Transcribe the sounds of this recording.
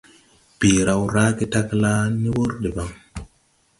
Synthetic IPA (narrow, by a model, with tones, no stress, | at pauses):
b̥i˨ɾa˨wɾa˦ke˦ta˦kla˦ni˦wo˦ɾde˨ba˨ŋ